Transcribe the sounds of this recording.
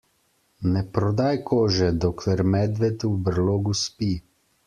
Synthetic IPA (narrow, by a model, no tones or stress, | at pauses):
nɛpɾɔd̪aːjkʰoːʒɛd̪oklɛɾmɛd̪ʋɛt̪ubɾloːɡuspi